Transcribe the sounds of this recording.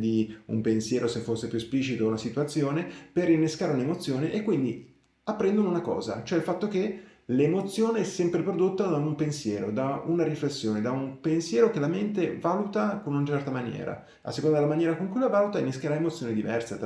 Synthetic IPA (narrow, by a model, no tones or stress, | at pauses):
d̪iṵmpensjɛːɾosefːosːepjuespliːt͡ʃit̪oaunasit̪wat̪sːjoːneperːinːesk̟aːɾeunaemot̪sːjoːneʔekːwind̪i | apːɾɛnd̪onounakɔ̰ːza̰t͡ʃoɛilfat̪ːokelemot̪sːjoːneɛsːɛmpɾepɾod̪ot̪ːad̪aumpensjɛːɾod̪aunaɾiflesːjoːned̪aumpensjɛːɾokelament̪evaːlut̪aonunat͡ʃɛrt̪amanjɛ̰ːɾa̰ | a̰sːekond̪d̪elamanjɛːɾakoŋkujlavaːlut̪ainːeskeɾaemot̪sːjoːnid̪ivɛrsa